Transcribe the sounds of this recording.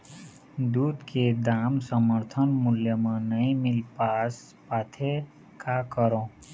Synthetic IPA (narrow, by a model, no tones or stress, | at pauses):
d̪uːd̪kʰed̪aːmsəməɾt̪ʰənmʊljəmə̃nəĩmɪlpaːs | paːt̪ʰe | kakəɾõː